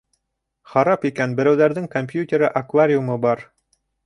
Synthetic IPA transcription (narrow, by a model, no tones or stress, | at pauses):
χɑɾɑpikænbɘ̆ɾæwðæɾðɘŋkompʲjut̪ʲeɾɤʔakvaɾʲɪumɤbɑɾ